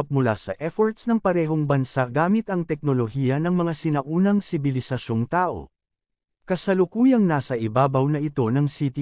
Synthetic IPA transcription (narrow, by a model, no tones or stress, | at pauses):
p̚mʊla̰sɐʔɛfoɹt̪snɐŋpɐɾɛːɦo̞ŋbɐnsaɡaːmɪt̪ɐŋt̪ɛk̚no̞lohiːjɐnɐŋmɐŋasɪnɐʔuːnɐŋsɪbɪlɪsɐʃo̞ŋt̪aːʔo̞̰ | kɐsɐlʊkuːjɐŋnaːsɐʔɪbaːbɐwnɐɪt̪o̞nɐŋsit̪i